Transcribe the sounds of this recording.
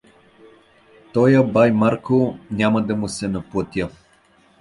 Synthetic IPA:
t̪ɔjəbajmaɾkonʲamɐd̪ɐmʊsɛnɐplˠət̪ʲjə

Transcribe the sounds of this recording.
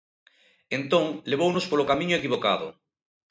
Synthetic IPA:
ẽnt̪õŋleβ̞ownospolokamĩɲoekiβ̞oka̰ðo̰

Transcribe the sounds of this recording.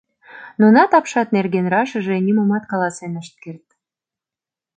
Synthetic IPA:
nunɑt̪ɑpʃɑt̪nerɣenrɑʃəʒenʲiməmɑt̪kɑlɑsenəʃt̪̚kert̪̚

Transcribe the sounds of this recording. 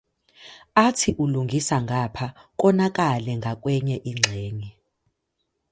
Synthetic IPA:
atʰiʔuluŋɡʱisaŋɡʱapʰak̬ʼɔnakʼalɛŋɡʱakʼwɛɲɛʔiŋ͡ǁʱeːŋi

